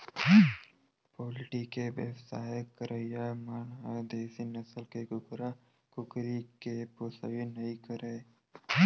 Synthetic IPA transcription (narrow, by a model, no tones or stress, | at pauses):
poːlɪʈikeʋḛwsaːjəkəɾəjamaːnɦad̪eːsinəsəlkeɡʊkɾa | kʊkɾikeposə̰ʋinɐĩkəɾeː